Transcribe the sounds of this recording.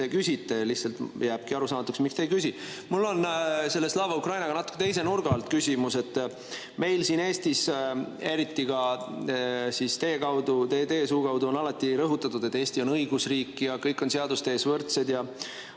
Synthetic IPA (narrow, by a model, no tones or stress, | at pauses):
ekysʲit̪ːˑe̞liçhtsɑlt̪jæːb̥̚kiɑɾusɑːmɑt̪ːuksmikst̪ejkysʲi | mulːo̞nse̞lːeslɑːvɑukrɑjnɑɡɑnɑt̪ukːet̪e̞js̬e̞nurɡ̥ɑlt̪kysʲimuse̞t̪ː | me̞jlsiːneːst̪ise̞ɾit̪ːikɑ | sist̪e̞ːkɑwd̪̥ut̪eːt̪e̞ːsuːkɑwd̪uo̞nɑlɑt̪ːˑiɾɤɦut̪ːˑɑt̪ːud̪et̪ːˑeːsʲt̪io̞nɤjɡusriːkːijɑkɤjkːˑo̞nseɑd̪ust̪e̞ːsvɤrt̪se̞d̪jɑ